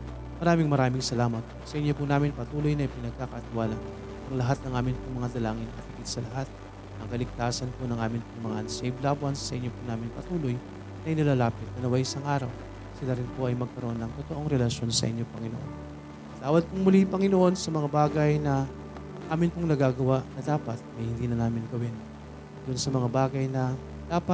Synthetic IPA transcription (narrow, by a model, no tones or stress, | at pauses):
mɐɾaːmɪŋmɐɾaːmɪŋsɐlaːmɐt̪̚ | sɐʔɪɲːopʊnaːmɪnpɐt̪uːlo̞jnɐɪpɪnɐɡ̚kakɐt̪ɪwaːla | ʔɐŋlɐɦat̪̚nɐŋʔaːmɪnpʊŋmɐŋad̪ɐlaːŋɪnkɐt̪iɡɪd̪̥̚sɐlɐɦat̪̚ | ɐŋkɐlɪɡ̚t̪aːsɐnponɐŋʔaːmɪnpʊŋmɐŋa̰ʔɐnsejblabɐnsːɐʔɪɲːopʊnaːmɪnpɐt̪uːlo̞j | nɐʔjnɪlaːlaːpɪt̪̚nɐnɐwajʔɪsaŋʔaːɾɐw | sɪlaɾɪnpo̞ʔɐjmɐɡ̚kɐɾoʔonːɐŋt̪ot̪oʔo̞ŋɾɛlɐʃo̞nsɐ̰ʔɪɲːo̞pɐŋɪnoʔo̞̰n | ɐt̪aːwɐd̪̚pʊŋmʊlipɐŋɪnoʔo̞nsɐmɐŋabaːɡɐjnɐ | ʔaːmɪnpoŋnɐɡaːɡɐwaʔnɐd̪aːpɐt̪̚ɐjhɪnd̪iːnɐnaːmɪnɡɐwɪn | d̪ʊnsɐmɐŋabaːɡɐjnɐ | d̪aːpɐ